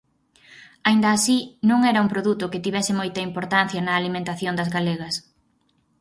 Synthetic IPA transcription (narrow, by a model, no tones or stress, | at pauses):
aind̪ɐːsinõŋɛɾɐumpɾoðut̪ʊkɪt̪iβɛsɪmojt̪ɐimpoɾt̪an̟θjɐnɐːlimẽnt̪aθjond̪ɐzɣaleɣɐs